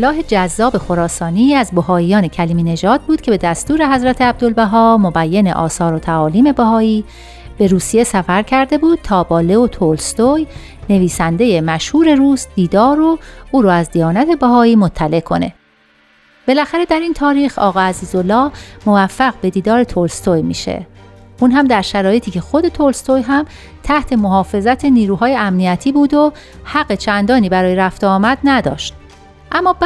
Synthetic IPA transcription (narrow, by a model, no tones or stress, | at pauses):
lːɒːɦe̞d͡ʒæzːɒːbe̞xo̞ɾɒːsɒːniːæzboɦɒːijɒːne̞cʰæliːmiːne̞ʒɒːd̪̚buːd̪̥̚cʰe̞be̞d̪æst̪uːɾeɦæzɾæt̪ʰeæb̚d̪o̞lbæɦɒːmobæjːeneʔɒːsɒːɾot̪ʰæɒːliːme̞bæɦɒːiː | b̥e̞ɾuːsije̞sæfæɾcʰæɾd̪e̞buːd̪̥̚t̪ʰɒːbɒːle̞ot̪ʰoːlst̪oj | ne̞viːsænd̪e̞je̞mæʃhuːɾe̞ɾuːsd̪̥iːd̪ɒːɾoʔuːɾoæzd̪ijɒːnæt̪ʰe̞bæɦɒːiːmot̪ʰːæle̞ʔkʰo̞ne̞ | b̥e̞læxæɾe̞d̪æɾint̪ʰɒːɾiːxɒ̰ːɣɒːæziːzolːɒːmovæfːæɣbe̞d̪iːd̪ɒːɾe̞t̪ʰolst̪ojmḭːʃḛʔunɦæmd̪æɾʃæɾɒːje̞t̪ʰiːcʰe̞xo̞d̪e̞t̪ʰolst̪ojɦæm | t̪ʰæht̪ʰe̞mo̞ɦɒːfe̞zæt̪ʰe̞niːɾuːɦɒːjeæmnijæt̪ʰiːbuːd̪o | hæɢːet͡ʃʰænd̪ɒːniːbæɾɒːjeɾæft̪eːmæd̪næd̪ɒ̰ːʃt̪̚ | ʔæmːɒːb